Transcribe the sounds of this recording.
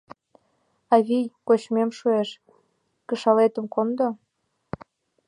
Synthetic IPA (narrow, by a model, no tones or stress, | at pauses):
ɑβijkot͡ɕmemʃueʃ | kə̆ʃɑlet̪ə̆mkond̪o